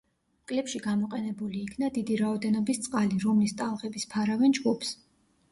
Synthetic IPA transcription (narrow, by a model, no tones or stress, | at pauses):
mkʼlɛpʃiɡamɔqʼɛnɛbuliːkʰnad̪id̪iɾaɔd̪ɛnɔbist̪sʼqʼaliɾɔmlist̪ʼalˠʁɛbispʰaɾavɛnd͡ʒɡupʰs